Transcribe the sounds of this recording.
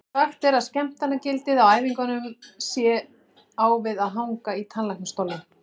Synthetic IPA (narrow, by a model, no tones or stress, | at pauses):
axt̪ɛɾaðscɛm̥t̪anːacɪlt̪ɪðawaːjviŋkanʏmsjɛ | aːwvɪðaðɦawŋkait̪ʰanlajknɪst̪owlːɪ